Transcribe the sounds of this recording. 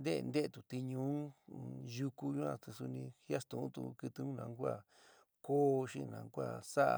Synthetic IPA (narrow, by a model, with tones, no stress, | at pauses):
nd̪ḛ˦˧nd̪e˦e˧˨t̪u˨t̪i˧ɲũ˧˦ | ju˧ku˧ɲũ˦ã˧˨t̪u˧su˧nĩ˧hja˦st̪ũ˨˦t̪ṵ˧kɨ˧t̪ɨ˧ũ˦nã˧˦kʷa˧˨ | ko˦˧ʃĩ˦˧nã̰˨˦˧kʷa̰˦˧˨sa˦ʔa̰˧